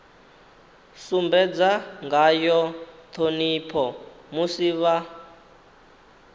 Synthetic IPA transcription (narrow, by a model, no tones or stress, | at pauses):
sumbɛd͡zaŋɡajɔt̪ʰonipʰɔmusiβa